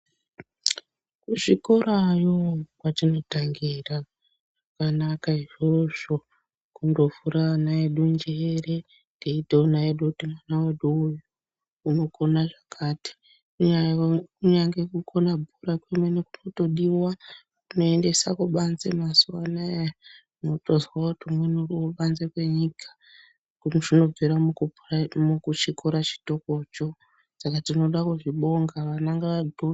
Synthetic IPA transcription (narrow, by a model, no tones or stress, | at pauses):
kuʐikoɾajokwatino̞taŋɡira | ʐakanakaiʐo̞ʐo̞ | kundo̞vuɾanaeɗund͡ʒeːre | ndeiteonaeɗukutimwanawaɗuuju | unoko̞naʐakʰaːti̥ | kuɲakuɲaŋɡekukʰonabʱuɾakwemweneku̥no̞to̞ɗiwa | kuno̞e̞nde̞sakuɓanzḛmaswana | motozwautumwenuriwoɓanzekwe̞ɲikʰḁ | kunʐino̞b͡veɾa | mukut͡ʃikʰoɾat͡ʃi̥to̞ko̞t͡ʃo̞ | sakatino̞ɗakuʐiɓo̞ŋɡaʋanaŋɡaʋado